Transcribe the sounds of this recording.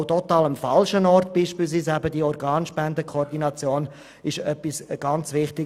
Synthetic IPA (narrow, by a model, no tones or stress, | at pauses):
ʊtɔtaːləmfalʃənɔrtb̥iːʃpiːls̬ʋiːsæbədiːɔɾɡaːnʃpɛndəkʰɔːɾdinɑt͡sjoːn | ɪʃœpːisɡ̥ɑnt͡sʋɪχtɪ